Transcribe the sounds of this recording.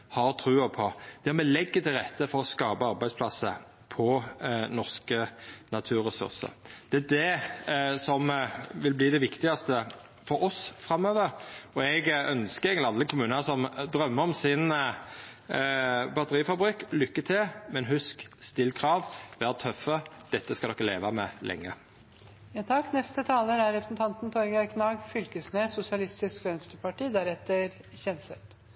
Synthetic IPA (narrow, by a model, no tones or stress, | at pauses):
hɑɾt̪ʰɾʉːəpʰɔd̪̥ɛmɛlɛɡːət̪ʰɪlʁɛt̪ːəfɔɾɔskɑːpəɑɾbæɪspʰlɑsə̰ | pʰɔnɔʁskənɑt̪ʰʉːʁɛsʉ̰ʁsə̰ɾd̪̥ɛæd̪ɛ | sɔmʋɪlbliːd̪ɛʋɪkt̪ɪɑst̪ə | fɔɾɔsfɾɑmːøːʋəɾɔɛɡœnskəɾɛɪɡnɪɑlːəkʰʊmʉːnənəsɔmd̪ɾœmːəɔmsɪn | bɑt̪əʁiːfɑbʁykːlʏkːət̪ʰɪlmɛnɦʉskst̪ɪlkʰʁɑːʋʋæːʁt̪ʰœfːəd̪̥ɛt̪ːəskɑd̪ɔkːəlḛːʋɑmɛ̰lʔɛ̰ŋːə | jɑt̪ʰɑkːnɛst̪ət̪ʰɑːləɾæɾɛpɾə̥sn̩t̪ʰɑnt̪nt̪ʰɔɾɡɑkʰnɑːɡfʏlkəsnesʊsɪɑlɪst̪ɪskʋɛnst̪ɾəpɑʈiːd̪æɾɛt̪ːəɾ | çɛnsɛt̪